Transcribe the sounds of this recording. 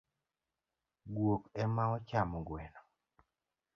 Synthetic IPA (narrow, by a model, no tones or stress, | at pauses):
ɡwokɛmaɔt͡ʃamɔɡwɛnɔ